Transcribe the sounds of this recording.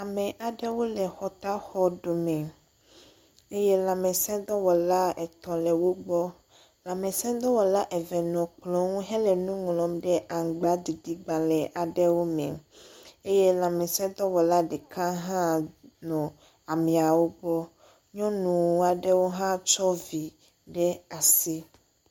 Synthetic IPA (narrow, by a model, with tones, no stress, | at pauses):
a˨mɛ̃˨ʔa˨ɖɛ˦wo˦lɛ˨xɔ˨t̪a˦xɔ˦ɖo˨mɛ̃˨ | e˦je˦lã˨mɛ̃˨sɛ̃˦d̪ɔ˦wɔ˨la˦ɛ˨t̪ɔ̃˨lɛ˨wo˦ɡ͡bɔ˦ | lã˨mɛ̃˨sɛ̃˦d̪ɔ˦wɔ˨la˦ʔɛ˨vɛ˨nɔ̃˨k͡plɔ̃˦ŋũ˦ɦɛ˦lɛ˨nũ˦ŋlɔ̃˨mɖɛ˦ʔa˨ŋ˨ɡ͡ba˦d̪i˨d̪i˦ɡ͡ba˨lɛ˨ʔa˨ɖɛ˦wo˦mɛ̰̃˨ | e˦je˦lã˨mɛ̃˨sɛ̃˦d̪ɔ˦wɔ˨la˦ɖɛ˨kã˦ɦã˦nɔ̃˨ | a˨mɛ̃˨a˨wo˦ɡ͡bɔ˦ | ɲɔ̃˦nũ˨˦a˨ɖɛ˦wo˦ɦã˦t͡ʃɔ˦vi˨ | ɖɛ˦a˨si˦